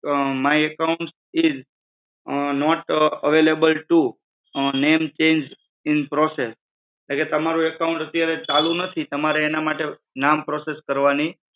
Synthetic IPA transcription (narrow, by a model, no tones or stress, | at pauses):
maiəkaʊ̃ɳʈs | ɪz | nɔʈəʋelebəlʈu | nemt͡ʃẽnd͡ʒ | ɪnpɾɔses | leket̪əmaɾũekaʊ̃ɳʈət̪jaɾet͡ʃalũnət̪ʰit̪əmaɾeːnamaʈe | nampɾɔseskəɾʋani